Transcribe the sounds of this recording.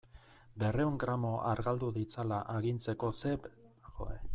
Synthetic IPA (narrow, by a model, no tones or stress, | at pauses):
be̞re̞uŋɡɾamo̞ʔaɾɣald̪uðit͡salaʔaɣint͡se̞ko̞se̞pʝo̞̰ḛ